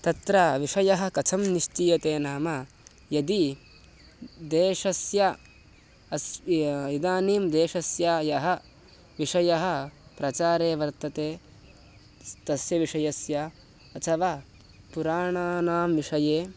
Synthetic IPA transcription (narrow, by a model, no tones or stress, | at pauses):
t̪ɐt̪ɾɐʋiʂɐjɐɦɐ̆kɐt͡ʃʰɐmniʃt͡ʃiːjɐt̪eːnaːmɐ | jɐd̪i | d̪eːʂɐsjɐ | ɐsid̪aːniːmd̪eːʃɐsjaːjɐɦɐ̆ | ʋiʂɐjɐɦɐ̆pɾɐt͡ʃaːɾeːʋɐɾt̪ɐt̪eː | t̪ɐsjɐʋiʂɐjɐsjɐ | ɐt̪ʰɐʋaː | puɾaːɳaːnaːmʋiʂɐjeː